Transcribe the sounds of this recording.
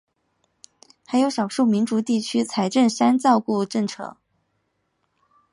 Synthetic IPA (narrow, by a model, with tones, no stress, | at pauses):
xa˧˥ɪjo˧˥ʂɑ˨˩ʊʂu˥˩mi˧˥nʈ͡ʂu˨˧˥t̪i˥˩t͡ɕʰy˥t͡sʰa˧˥ɪʈ͡ʂə˥˩nʂa˥nt͡sɑ˥˧ʊku˥˧ʈ͡ʂɤ˥˩ŋʈ͡ʂʰɤ̰˧˥˦ŋ